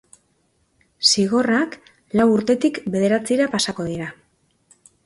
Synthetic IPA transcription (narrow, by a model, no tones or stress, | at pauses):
siɣ̞o̞rak | lawuɾt̪e̞t̪ikbe̞ð̞e̞ɾat͡siɾapasako̞ð̞iɾa